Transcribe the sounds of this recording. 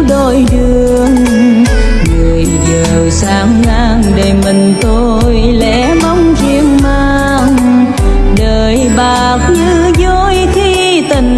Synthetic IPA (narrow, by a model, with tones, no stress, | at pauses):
ɗo˧˩jɗɨ˧˩˧əŋ | ŋɨ˨˩əjzəː˨˩wsaː˨˦mlaː˧ŋɗe˧˨˩mï˨˩ŋ̟t̪o˧ | j | lɛ̰˧˥mɔ˧wŋ͡mt͡ɕi˧əŋmaː˧ | ŋ | ɗəː˨˩jɓaː˨˩k̚ɲɨ˧˦ | zo˧jxʰi˧ | t̪ï˨˩ŋ̟